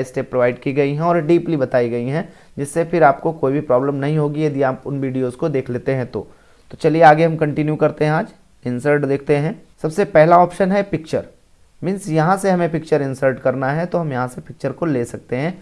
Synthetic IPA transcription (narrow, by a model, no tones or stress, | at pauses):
ɪsʈeːpːɾoʋaːɪɖkiɡɐiɦɛ̃ɔːɾɖiːplibɐt̪aːiɡɐiɦɛ̃ | d͡ʒɪsːefʰɪɾaːp̚kokoːibʱipɾɔːbləmnɐɦĩɦoːɡijɐd̪iaːpʊnʋiːɖijoːzkod̪eːkʰleːt̪eɦɛ̃t̪o̰ː | t̪ot͡ʃɐlieaːɡeɦɐmkɐ̃ɳʈɪnjukɐɾt̪eɦɛ̃aːd͡ʒ | ɪ̃nsəɾʈd̪eːk̚ʰt̪eɦɛ̃ːsɐbsepɛɦlaɔːpʃənɦɛpɪk̚t͡ʃəɾ | mɪ̃nsjɐɦãseɦɐmẽpɪk̚t͡ʃəɾɪ̃nsəɾʈkɐɾnaɦɛt̪oɦɐmjɐɦãsepɪk̚t͡ʃəɾkoleːsɐk̚t̪eɦɛ̃ː